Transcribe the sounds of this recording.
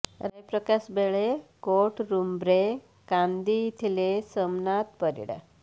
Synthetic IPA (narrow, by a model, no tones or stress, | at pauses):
ɾəjpɾəkasbeɭekoʈɾumbɾe | kãnd̪iːt̪ʰilesəmnat̪̚pəɾḭɽə̰